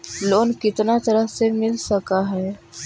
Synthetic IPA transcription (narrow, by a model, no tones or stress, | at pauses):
lonkɪt̪nat̪əɾəɦsemɪlsəkaɦɛ